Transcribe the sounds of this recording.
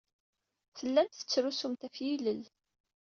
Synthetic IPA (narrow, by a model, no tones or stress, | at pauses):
θəlːænt̪θə̥t͡sːɾusumt̪æfjiləl